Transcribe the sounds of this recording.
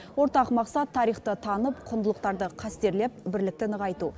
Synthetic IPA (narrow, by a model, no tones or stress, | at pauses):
wo̞ɾt̪ɑqmɑqsɑt̪ʰːɑɾijχt̪ət̪ʰɑnəpqʰʊnd̪əlˠəq̚t̪ɑɾd̪əqʰɑst̪e̞ɾle̞p̚bɪɾlɪk̚t̪ɪnəʁɑjt̪u